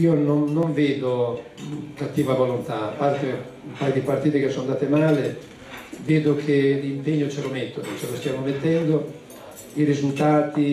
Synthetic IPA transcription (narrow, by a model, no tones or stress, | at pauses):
iononːoɱveːd̪o | kat̪ːiːvavolont̪aːpːart̪e | umpaːjod̪ipart̪iːt̪ekesːond̪aːt̪emaːle | veːd̪okʰelimpeɲːot͡ʃɛlomet̪ːodot͡ʃelost̪jaːmomet̪ːɛnd̪o | iɾizult̪aːt̪i